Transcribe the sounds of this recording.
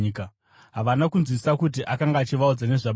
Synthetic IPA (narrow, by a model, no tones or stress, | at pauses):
ka | ɦaʋanakunzwisakut̬iʔakaŋɡaːt͡ʃiʋaud͡zane̞ʐa